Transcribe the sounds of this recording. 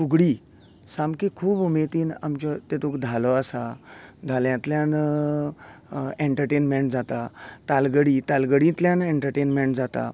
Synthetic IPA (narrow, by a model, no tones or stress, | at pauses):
fuɡɽiː | samkekʰuːbumet̪iːna̰mt͡ɕɔt̪et̪ukd̪ʱalɔasad̪ʱaljãt̪ljãn | eɳʈəɾʈenmeɳʈd͡zat̪at̪alɡəɽiːt̪alɡəɽĩt̪ljãneɳʈəɾʈenmeɳʈd͡zat̪a̰